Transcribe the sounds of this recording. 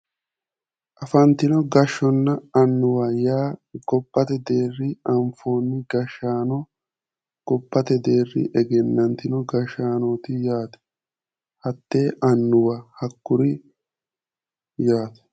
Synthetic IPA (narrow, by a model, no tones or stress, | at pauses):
ʔɐfɐnt̪ɪnɔɡɐʃːɔnːɐɐnːʊwɐjaːɡɔpːɐt̪ɛd̪e̞ːrːɪɐɱfo̞ːnːɪɡɐʃːaːnɔ | ɡ̥ɔpːɐt̪ɛd̪eːrːɪ̰ʔɛɡɛnːɐnt̪ɪnɔɡɐʃːaːnoːt̪ɪjaːt̪ɛ̥ | hɐt̪ːe̞ːʔɐnːʊwɐhɐkːʊɾɪ | jaːt̪ɛ̥